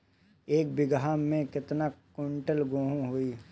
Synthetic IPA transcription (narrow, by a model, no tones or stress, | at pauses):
eːk̚bɪɡɦaːmːẽkɪt̪nakoɳʈəlɡoːɦũɦuiː